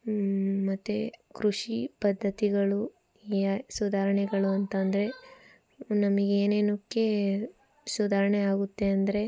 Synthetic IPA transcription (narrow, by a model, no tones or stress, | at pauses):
mɐt̪ːekɾuʂipɐd̪ʱːɐt̪iɡɐɭu | sud̪ʱaːɾɐɳɛɡɐɭuɐnt̪ɐnd̪ɐɾe̞ | nɐmɐɡeeːneːnukːe | sud̪ʱaːɾɐɳeaːɡut̪ːe̞ɐnd̪ɐɾe̞